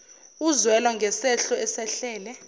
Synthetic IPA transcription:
uzwɛlwaŋɡʱɛsɛɬɔɛsɛɬɛːlɛ

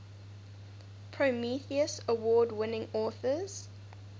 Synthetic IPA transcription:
pʰɹomiθiəsəwɔːdwɪnɪ̃ŋɔːˑθəz̥

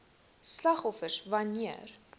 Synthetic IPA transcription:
slɐχɔfərsvɐniər

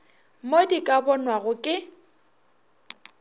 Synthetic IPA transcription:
modikʼabɔnwaɣʊkʼɪ

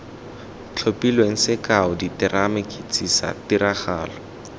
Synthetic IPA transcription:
t͡ɬʰopilweŋ̩sɪkaʊditɪrʔamɪkʼit͡sʼisa̰tiɾaχaːlɔ

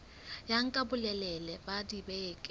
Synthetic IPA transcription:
jaŋ̩kʼabʊlɛlɛlɛbadibɛkʼ

